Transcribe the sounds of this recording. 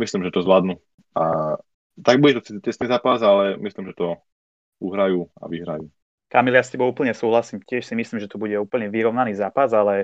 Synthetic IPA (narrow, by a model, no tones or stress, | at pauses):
mislimʒɛt̪ɔzʋlad̪nu | a | t̪aɡ̚buɟɛt̪ɔt͡s̪it̪icɛsniːzaːpazalɛmislimʒɛt̪ɔ | uɦɾajuːa̰ʋiɦɾa̰juː | kamiljascɛbɔʊuːpl̩ɲɛsuːɦlasiːmcɪɛʃsimislimʒɛt̪ubuɟɛuːpl̩ɲɛʋiɾɔʊnaniːzaːpazalɛ